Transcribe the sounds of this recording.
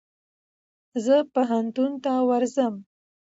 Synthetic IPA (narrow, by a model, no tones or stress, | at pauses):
zəpaɦant̪unt̪awaɾzəm